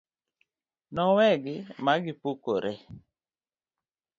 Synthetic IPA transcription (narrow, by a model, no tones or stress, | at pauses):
nɔwɛɡɪmaɡɪpokoɾʔe